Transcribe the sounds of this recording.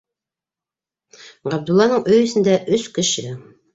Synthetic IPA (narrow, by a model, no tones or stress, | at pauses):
ʁæb̚d̪ulːɑnɤɴɵjɵ̆sɘ̆nd̪æʔɵskɘ̆ʃɘ